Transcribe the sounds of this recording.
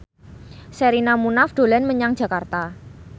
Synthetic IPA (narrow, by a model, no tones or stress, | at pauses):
seɾinamunafd̪̥o̤lanməɲaŋ̥ʒ̥a̤kart̪a